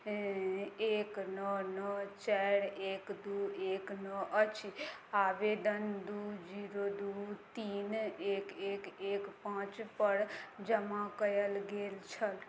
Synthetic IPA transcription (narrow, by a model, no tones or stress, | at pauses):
eːknənət͡ʃɛɽeːkd̪uːeːknəʔət͡ʃʰiaːʋed̪ənd̪uːd͡ʒiːɾod̪uːt̪iːneːkeːkeːkpãːt͡ʃpəɽd͡ʒəmãkəjəlɡeːlt͡ʃʰəl